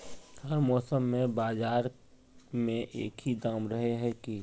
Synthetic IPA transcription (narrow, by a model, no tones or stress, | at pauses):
həɾmɔːsəmːẽbaːzaːɾ | mẽʔeːkɦid̪aːmɾəɦeɦɛki